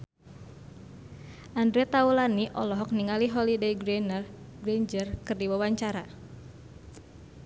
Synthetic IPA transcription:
ʔandɾɛt̪aulaniʔɔlɔɦɔk̚niŋaliɦɔlidejɡɾenərɡɾeɲd͡ʒərkɨrdiwawaɲt͡ʃaɾa

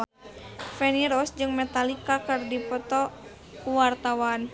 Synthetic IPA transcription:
fɛniɾɔsd͡ʒɨŋmɛt̪alikakɨrdipɔt̪ɔ | kuwart̪awan

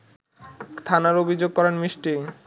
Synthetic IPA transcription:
t̪ʰanaɾobʱid͡ʑoɡ̚kɔɾanmiʃʈi

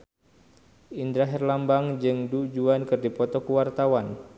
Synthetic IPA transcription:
ʔindɾaɦɛrlambaŋd͡ʒɨŋdud͡ʒuankɨrdipɔt̪ɔkəwart̪awan

